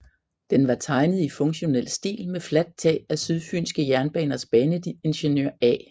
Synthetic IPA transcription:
d̥enʋɑ̈t͡sʰɑ̈ɪnəð̞̩ˠifɔ̽ŋɕo̝nel̰sd̥ḭːlmeflæd̥̚t͡sʰɛ̰̥ːæsyð̞ˠfy̰ːnsɡ̥əjæɐnb̥ɛ̰ːnɐsb̥ɛːnəe̝nɕenøɐ̰ɛ̰ː

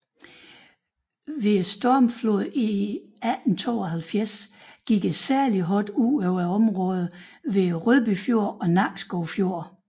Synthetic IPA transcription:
ʋe̝sd̥ɒɐmflo̝ð̰ˠiædn̩t͡sʰo̝̰ːɒɦælfjæɐsɡ̥iɡ̥e̥sæɐliɦɒd̥ueʊæɒ̽mʁɔ̽ːð̩ˠʋe̝ʁøðˠb̥yfjo̝ɐ̰ɒ̽nɑ̈ɡ̥sɡ̥ɒʊfjo̝ɐ̰

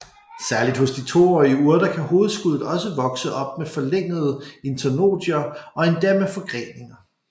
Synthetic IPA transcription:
sæɐlid̥hɔ̽sd̥it͡sʰo̝̰ːɒiəuːɐd̥ɐkʰæho̝ːð̞̩ˠsɡ̥uð̞̰̩ˠɒ̽səʋɒ̽ɡ̥səʔɒ̽b̥̚mefɒ̽leŋ̰əð̞ˠəe̝nt͡sʰæno̝̰ːd̥iɐɒ̽e̝nd̥eɐmefɒ̽ɡ̥ʁḛːne̝ŋɐ

